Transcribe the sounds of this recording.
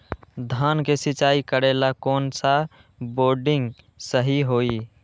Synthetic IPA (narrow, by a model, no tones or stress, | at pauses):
d̪ʱankesit͡ʃaikəɾelakɔːnsa | boɾɖɪ̃ŋɡ | səɦiɦoi